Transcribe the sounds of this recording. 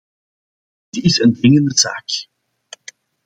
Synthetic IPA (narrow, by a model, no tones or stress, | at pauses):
dɪtɪsəndrɪŋəndəza̰ːk